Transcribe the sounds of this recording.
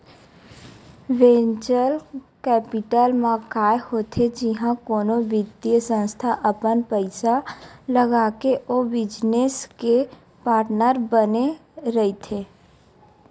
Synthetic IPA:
ʋẽːɲt͡ʃəl | kɛːpɪʈəlmãkaːehoːt̪ʰed͡ʒɪɦãkoːnõbɪd̪iəsə̃nst̪ʰaʔəpənpəɪsaləɡaːkeʔoːbɪd͡ʒneske | paːɾʈnəɾbəneɾəɦit̪ʰeː

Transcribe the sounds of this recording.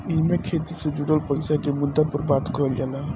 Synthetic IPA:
imekʰet̪ised͡ʒuɽəlpəɪsakemud̪ːapəɾbat̪kɔɦəld͡ʒala

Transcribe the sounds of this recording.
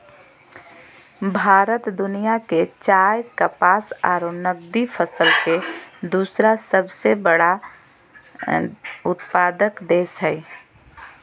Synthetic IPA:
bʱaːɾət̪d̪ʊnijaket͡ʃaːjkəpaːsa̰ːɾonəɡ̚d̪ipʰəsəlked̪uːsɾasəbsebəɽa | ʊt̪paːd̪əkd̪eːsɦɛi

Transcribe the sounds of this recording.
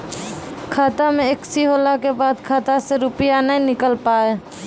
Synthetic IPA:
kʰaːt̪amẽɪksiɦoːlakebaːd̪kʰaːt̪aseɾʊpɪjanəɦĩnɪkəlpaːe

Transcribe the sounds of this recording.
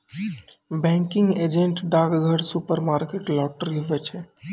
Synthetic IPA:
bɛ̃ŋkɪŋɡed͡ʒẽɳʈɖaːɡɡʱəɽsupəɾmaːɾkeʈlɔːʈɾiɦoʋɛt͡ʃʰɛ

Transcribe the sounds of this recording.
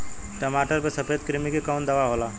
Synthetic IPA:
ʈəmaːʈəɾpesɐpʰeːd̪̚kɾimikekaʊnd̪ɐʋaɦoːlaː

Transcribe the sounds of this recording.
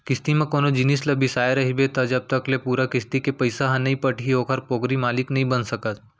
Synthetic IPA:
kɪst̪imẽkoːnod͡ʒɪnislɐbʱisaːeɾɐɦibet̪ɐd͡ʒɐb̚t̪ɐklepuːɾakɪst̪ikepɐɪsaɦãnɐɦĩpɐʈʰiɦoːkʰəɾpoːɡɾimaːlɪknɐɦĩbɐnsɐkət̪

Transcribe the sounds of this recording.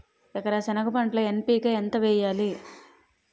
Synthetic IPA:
ɛkɐɾɐsɛnɐkɐpɐɳʈlɐempiːkɐent̪ɐʋɛːjaːli

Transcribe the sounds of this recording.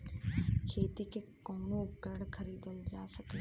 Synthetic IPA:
kʰeːt̪ikekoːnõːɡəɽkʰəɾiːd̪əld͡ʒaːsək̪e

